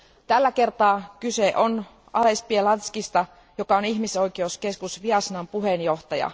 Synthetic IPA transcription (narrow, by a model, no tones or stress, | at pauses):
t̪ælːæke̞rt̪ɑːkyseʔon | ɑle̞spielɑnt̪skist̪ɑ | jo̞kɑoniçmiso̞jk̟eouske̞skusʋiɑsnɑmpuɦenjo̞ht̪ɑjɑ̰